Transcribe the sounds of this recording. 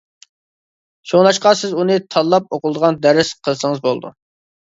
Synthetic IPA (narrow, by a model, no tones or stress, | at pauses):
ʃoŋlˠɑʃqɑsɪzunɨt̪ʰɑlˠːɑp̚oqʊlˠd̪əʁɑnd̪æɾɪsqʰəlˠsəŋəzbolˠd̪ṵ